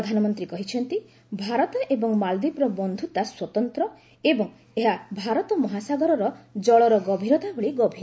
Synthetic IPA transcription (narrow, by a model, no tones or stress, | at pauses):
ɔd̪ʱanɔmɔnt̪ɾikɔɦit͡ʃʰɔnt̪i | bʱaɾɔt̪ɔʔebɔŋmald̪ipɾɔbɔnd̪ʱut̪aswɔt̪ɔnt̪ɾɔ | ebɔŋ | eɦabʱaɾɔt̪ɔmɔɦasaɡɔɾɔɾɔd͡ʒɔɭɔɾɔɡɔbʱiɾɔt̪aɦuɭiɡɔbʱiɾ